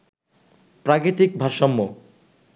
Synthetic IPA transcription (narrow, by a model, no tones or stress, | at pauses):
pɾakɾit̪ik̚bʱaɾʃɔmːo